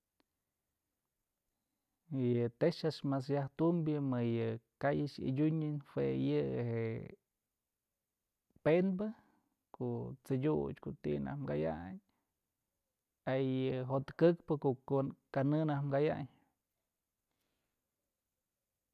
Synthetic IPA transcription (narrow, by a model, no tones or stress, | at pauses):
jɨt̪eʂaʂmas̬jaht̪umbjɨmɨjɨkajɨt͡ʃḭdʲuɲɨnhwejɨheʔ | penbɨ | koʔt͡sɨdʲut͡ʃkot̪ḭna̰hmɡaja̰ɲ | ajɨɦot̪kɨkpɨkoʔkanɨnahmɡaja̰ɲ